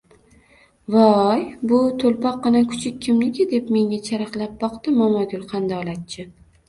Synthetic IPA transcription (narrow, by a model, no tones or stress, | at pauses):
vɒjbʊt̪ʰolpɒq̚ːɨnakʰʊ̥t͡ʃʰɪkʲʰːɪmlɪkʲɪd̪e̞pme̞ŋat͡ʃʰaɾɑqlˠap̚bɒqt̪ɪmɒmaɡʲʊlˠqʰand̪ɒlˠat̪̚t͡ʃʰɪ